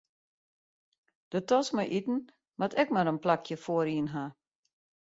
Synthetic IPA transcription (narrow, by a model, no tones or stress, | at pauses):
d̥ətɔsmajʔitn̩ | ʋatʰɛkmaɾənplakʰjəfoəɾiənɦa